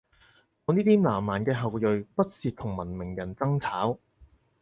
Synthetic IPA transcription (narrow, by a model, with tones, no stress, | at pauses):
ŋɔː˨˧niː˥t̪ʰiː˥mlaː˨˩mːaː˨˩nkɛː˧ɦɐ˨wjɵ˨ɥpɐ˥t̚siː˨t̚t̪ʰʊ˨˩ŋmɐ˨˩nmɪ˨˩ŋjɐ˨˩nt͡sɐ˥ŋt͡sʰaː˨˥w